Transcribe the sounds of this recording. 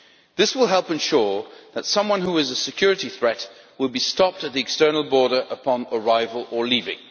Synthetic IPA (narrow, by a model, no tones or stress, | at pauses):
ðɪswəlˠɦɛlˠpɨ̃nʃʊɹðɨtsʌ̃mwʌ̃nhuɨzɨsɨkʰj̥ʊɹɨɾiθɹɛt̚ | wəlˠbistɑp̚tɨt̪̚ðiɨkstɜ˞nl̩ˠbɔɹɾə˞ʔəpʰɑ̃nə˞aɪvəlˠə˞livɪ̰̃ŋ